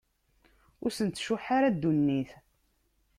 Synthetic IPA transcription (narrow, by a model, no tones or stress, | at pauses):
ʊɾsənt̪ʃʊħaɾad̪ːunːiθ